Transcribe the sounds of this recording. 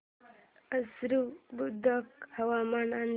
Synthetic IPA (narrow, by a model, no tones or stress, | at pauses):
əsɾubud̪əkhɐwamanan